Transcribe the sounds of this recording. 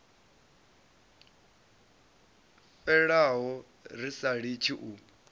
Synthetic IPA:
ɸɛɺaɦɔ | ɾisaɺit͡ʃʰiʔu

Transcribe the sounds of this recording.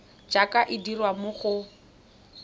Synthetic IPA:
d͡ʒakʼaʔɪdirwamʊχʊ

